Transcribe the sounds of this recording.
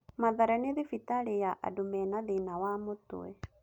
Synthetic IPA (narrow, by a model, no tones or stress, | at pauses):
maðaɾaniðifit̪aɺijaʔa̰dumɛnaðinawamʊt̪ṵɛ